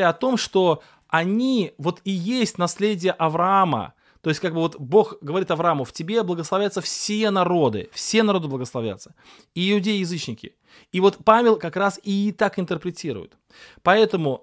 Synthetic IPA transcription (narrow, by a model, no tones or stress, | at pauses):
aɐt̪o̞mʂt̪o̞ | ɐnʲivo̞t̪ɪjesʲtʲnɐslʲedʲɪjəʔɐvɾɐamə̰ | t̪o̞ɪstʲkaɡ̚bɨvo̞t̪bo̞xɡəvɐɾʲit̪ɐvɾɐamʊftʲɪbʲeblˠəɡəslˠɐvlʲat̪səfsʲenɐɾo̞d̪ɨ̰fsʲe̞nɐɾo̞d̪ɨbləɡəslˠɐvlʲa̰t̪sə̥ | iɪʊdʲejɪjɪzɨt͡ɕnʲɪkʲɪ̰ | ivo̞t̪pamʲɪlʲˠkɐkɾasɪt̪akɪnt̪ərpɾʲɪtʲiɾʊ̰jʊ̰t̪ | pɐɛt̪əmʊ